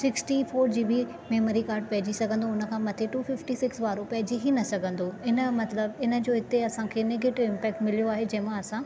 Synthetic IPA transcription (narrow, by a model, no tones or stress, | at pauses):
sɪksʈifoːɾd͡ʑiːbʱi | meːməɾikaːɾɖ̚pɐɦɪd͡ʑisɐɡʱə̃nd̪oʊnə̆kʰãːmɐt̪ʰeʈuːfɪfʈisɪksʋaːɾopɐɦɪd͡ʑiɦinɐsɐɡʱə̃nd̪oɪnə̆mɐt̪ləbɪnə̆d͡ʑoːɦɪt̪eɐsãkʰeːneːɡeːʈɪʋɪ̃mpɛːk̚ʈmɪlijoaːɦed͡ʑɐ̃ɦɪ̃mãɐsã